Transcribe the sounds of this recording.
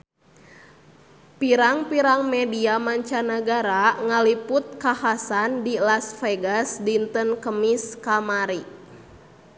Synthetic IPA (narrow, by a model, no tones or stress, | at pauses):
piɾaŋpiɾaŋmɛdiamaɲt͡ʃanəɡaɾaŋaliput̪̚kahasandilasfeɡasdint̪ənkəmiskamaɾi